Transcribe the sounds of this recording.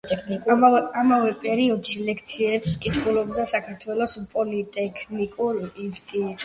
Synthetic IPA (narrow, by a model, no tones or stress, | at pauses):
ɛkʰnikʼamavɛpʼɛɾiɔd̪ʃilɛkʰt̪sʰiɛpskʼit̪ʰχulɔbd̪asakʰaɾt̪ʰwɛlˠɔspʼɔlit̪ʼɛkʰnikʼuɾinst̪ʼit̪ʼ